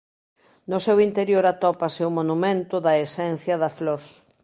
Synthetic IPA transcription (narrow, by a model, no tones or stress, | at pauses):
nʊsewint̪eɾjoɾat̪ɔpasɪʊmonumẽnt̪ʊðɐesɛn̟θjɐðɐfloɾ